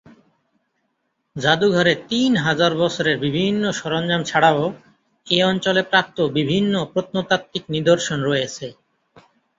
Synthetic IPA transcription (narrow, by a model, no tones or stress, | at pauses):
d͡ʑad̪uɡʱɔɾet̪inɦad͡ʑaɾbɔt͡ɕʰoɾeɾbibʱinːoʃɔɾond͡ʑamt͡ɕʰaɽao | eɔnt͡ɕolepɾap̚t̪obibʱinːopɾot̪̚not̪at̚t̪ːiknid̪oɾʃonɾɔjet͡ɕʰe